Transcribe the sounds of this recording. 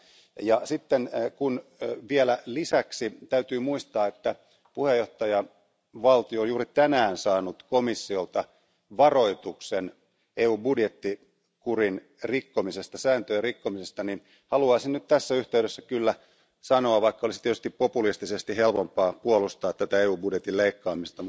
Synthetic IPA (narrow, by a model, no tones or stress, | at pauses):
jɑsit̪ːenkunʋielælisæksit̪æyt̪yːmuist̪ɑːet̪ːæ | puhejːoht̪ɑjɑ | ʋɑlt̪ioːnjuːɾit̪ænæːnsɑːnut̪komisːiolt̪ɑ | ʋɑro̞it̪uksen | eːuːbudjet̪ːi | kurin | rikːomisest̪ɑsæːnt̪øjɑrikːomisest̪ɑnin | hɑluɑisinnyt̪t̪æsːæyht̪eyɾesːækylːæ | sɑnoɑʋɑikːɑolisit̪iet̪yst̪ippopulist̪isest̪ihelpompɑːpuolust̪ɑːt̪t̪ːæt̪æeːuːbudjet̪ileikːɑːmist̪ɑmu